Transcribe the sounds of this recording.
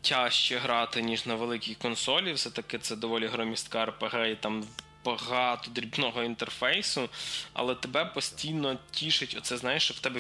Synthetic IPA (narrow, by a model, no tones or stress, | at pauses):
tʲɑʃt͡ʃɛɦɾɑt̪ɪnʲiʒnɐʋelˠɪkʲɪxkɔnsɔlʲiwsɛt̪ɐkɪt̪sɛd̪ɔʋɔlʲiɦɾɔmʲist̪kɑɐrpeɦɛit̪ɑm | bɐɦɑt̪ɔd̪ɾʲibnɔɦɔint̪erfɛjsʊɐ̰lˠɛt̪ebɛpɔsʲtʲijnɔtʲiʃɪtʲɔt̪sɛznɑjeʃt͡ʃɔwt̪ɛbɛ